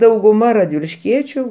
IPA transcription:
dɐʊɡʊˈmɐ rɐdʲʋʲɪlʲɪʃʲˈkʲiɛt͡ʃʲʊ

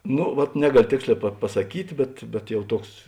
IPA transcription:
ˈnoː ʋɐt ˈnʲæːɡɐˌlʲoː ˈtʲeːksʲˌlʲɛː pɐ pɐsɐˈkʲiːtʲ bʲɛt bʲɛt ˈjɛʊ ˈtuɔks

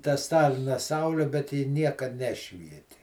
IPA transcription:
tɐ ˈstɑːlʲɪnɐ ˈsɐʊlʲɛ bʲɛt ˈjɪ ˈnʲiɛkɐt ˈnʲæːʃʲʋʲiɛtʲɪ

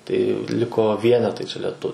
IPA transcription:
tɐɪ ˈlʲɪkoː ˈʋʲiɛnʲɛtɐɪ t͡ʃʲɛ lʲɛˈtʊ

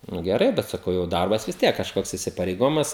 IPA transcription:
ˈnʊ ɡʲɛˈrɐɪ bʲɛt sɐˈkɐʊ jɛʊ ˈdɐrbɐs ʋʲɪs ˈtʲiɛk kɐʃˈkoːks ɪsʲɪpɐrʲɛɪˈɡoːjɪmɐs

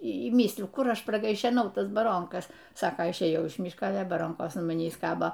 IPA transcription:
iː ˈmʲiːsʲlʲɪjʊ ˈkʊr ˈɐʃ prɐɡɐɪʃʲɛˈnɐʊ ˈtɐs bɐˈroːŋkɐs ˈsɑːkoː ɪʃʲˈeːjɛʊ ɪʃ ˈmʲiːʃkɐ ˈɑːlʲɛ bɐˈroːŋkoːs ɐn mɐˈnʲiːs ˈkɑːboː

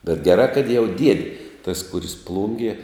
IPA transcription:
bʲɛt ɡʲɛˈrɑː kɐt jɛʊ ˈdʲiɛdʲɪ tɐs ˈkʊrʲɪs ˈplˠʊŋʲɡʲiɛ

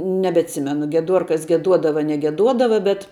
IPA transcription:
nʲɛbʲɛtʲˈsʲɪmʲɛnʊ ɡʲiɛˈduɔrkɐs ɡʲiɛˈduɔdɐʋɐ ɐr nʲɛɡʲɛˈduɔdɐʋɐ bʲɛt

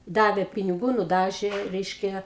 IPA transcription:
ˈdɑːʋʲeː pʲɪnʲɪˈɡuː nʊˈdɑːʒʲeː ˈrʲɛɪʃʲkʲɛ

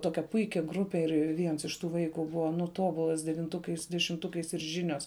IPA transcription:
ˈtoːkʲɛ ˈpʊɪkʲɛ ˈɡrʊpʲɛ ɪr ˈʋʲiɛns ɪʃ ˈtuː ˈʋɐɪkʊ ˈbʊʋɐ nʊ ˈtoːbʊlˠɐs dʲɛʋʲɪnˈtʊkɐɪs dʲɛʃʲɪmˈtʊkɐɪs ɪr ˈʒʲɪnʲoːs

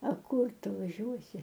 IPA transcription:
ɐ ˈkʊr ˈtʊ ʋɐˈʒʲuɔsʲɪ

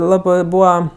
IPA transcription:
ˈlˠɑːbɜ ˈbuːʋɐ

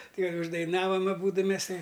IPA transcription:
ˈkɐɪ ʊʒdɐɪˈnɑːʋɐm ɐˈbuːdʊ ˈmʲɛs ˈtɐɪ

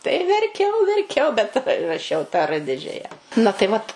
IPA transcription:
tɐɪ ɪr ʋʲɛrʲˈkʲɛʊ ʋʲɛrʲˈkʲɛʊ bʲɛt rɐ rɐˈʃʲɛʊ tɑː ˈrɘ ˈdʲɪd͡ʒʲɛjɛ nɐ tɐɪ ˈʋɐt

